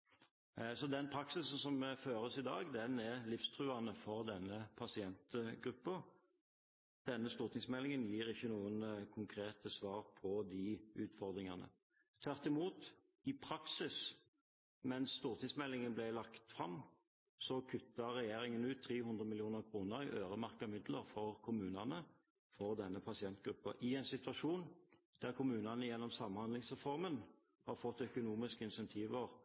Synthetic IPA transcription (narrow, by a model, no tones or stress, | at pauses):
sɔd̪ɛnpʰɾɑksɪsn̩sɔmføːɾəsɪd̪ɑːɡd̪ɛnɛʁlɪfst̪ʰʁʉːɑnəfɔʁd̪ɛnːəpʰɑsɪɛnt̪əɡʁʉpːə | d̪̥ɛnːəst̪uːʁt̪ɪŋsmɛlːɪŋənjiːɾɪçːənuːənkʰʊŋkʰɾeːt̪əsʋɑːʁpʰɔd̪ɪʉːt̪fɔʁd̪ʁɪŋɑnə̰ | t̪ʰʋæʁt̪ɪmuːt̪ | ɪpʰɾɑksɪs | mɛnsːt̪uːʁt̪ʰiːd̪smɛlːɪŋənblɛlɑkt̪fʁɑmː | sɔkʰʉt̪ːɑʁɛjeːɾɪŋənʉːt̪ʰːʁeːhʉnd̪ɾəmɪlɪuːnəʁkʰʁuːnəɾɪʔøːʁəmɑʁkəmɪd̪ləʁfɔʁkʰʊmʉːnɑnə | fɔʁd̪ɛnːəpʰɑsɪɛnt̪̚ɡ̥ɾʉpːə̰ʔɪɛɪnsɪt̪ʋɑʂuːnd̪̥æʁkʊmʉːnɑnəjɛnːɔmsɑmːhɑnd̪lɪŋsʁɛfɔʁmən | hɑʁfɔt̪ːœkʊnuːmɪskəɪnsɛnt̪ʰiːʋəʁ